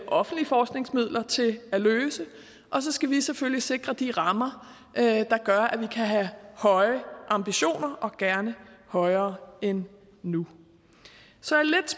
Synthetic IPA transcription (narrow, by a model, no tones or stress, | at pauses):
ʔɒ̽fn̩d̥liəfɒːsɡ̥̚ne̝ŋsmið̞̰ˠlʔɐt͡sʰe̝læløːsə | ʔɒ̽s̬ɒ̽sɡ̥æʋiseføljise̝ɡ̥ʁɐd̥iʁɑ̈mɐ | d̥ɑ̈ɡ̥ɶɐʔæʋikʰæɦæhɒ̽ɪəʔɑ̈mb̥iɕo̝̰ːnɐʔɒ̽ɡ̥æɐnəhɒ̽ɪɐːenː | u | sɒ̽æɐled̥s